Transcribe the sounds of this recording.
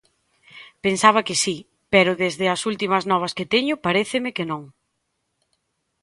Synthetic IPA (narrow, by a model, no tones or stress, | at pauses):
pensaβ̞ɐkɪsi | pɛɾʊðezðɪɐsult̪imɐznɔβ̞ɐskɪt̪ɛɲʊpaɾeθɪmɪkenõŋ